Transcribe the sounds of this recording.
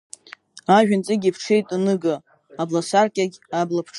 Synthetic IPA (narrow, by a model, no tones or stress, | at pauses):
aʒᶣant͡sʼɪɡʲipʰʈ͡ʂʰe̞jtʼanɨɡa | ablasarkʲʼaɡʲablapʰʈ͡ʂʰ